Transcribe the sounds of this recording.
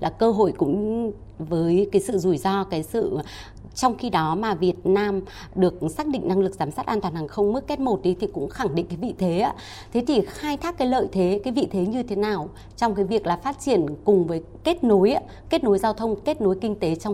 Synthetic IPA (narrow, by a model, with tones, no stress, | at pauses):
lʔaː˨˩kəː˧ɦo̰˧˨jkʊ̰˧˥ŋ͡m | vəː˨˦jkaː˨˦jsɨ̰˧˨zu˧˩jzɔ˧kaː˨˦jsɨ̰˧˨ | t͡ɕɔ˧wŋ͡mxi˧ɗɔ˨˦maː˨˩vi˨˩ət̚naː˧m | ɗɨ˨˩ək̚saː˦˥k̚ɗḭ˧˨ŋ̟na˧ŋlɨ˨˩k̚zaː˨˦msaː˦˥t̚ʔaː˧nt̪waː˧˩nhaː˨˩ŋxə˧wŋ͡mmɨ˦˥k̚ːe˦˥t̚mo˨˩t̚ɗi˨˦t̪ʰi˨˩kʊ̰˧˥ŋ͡mxa˧˩ŋɗḭ̈˧˨ŋ̟kaː˨˦vḭ˧˨t̪ʰe˨˦aː˨˦ | t̪ʰe˨˦t̪ʰi˨˩xaː˧jt̪ʰaː˦˥kːaː˨˦jlə̰ː˧˨jt̪ʰe˨˦kaː˨˦jvḭ˧˨t̪ʰe˨˦ɲɨ˧t̪ʰe˨˦naː˨˩w | t͡ɕɔ˧wŋ͡mkaː˨˦jvi˨˩ək̚laː˨˩faː˦˥t̚t͡ɕi˧˩ənkʊ˨˩ŋ͡mvəː˨˦jke˦˥t̚no˨˦j | ke˦˥t̚no˨˦jzaː˧wt̪ʰə˧wŋ͡mke˦˥t̚no˨˦jkï˧ŋ̟t̪e˨˦t͡ɕwŋ͡m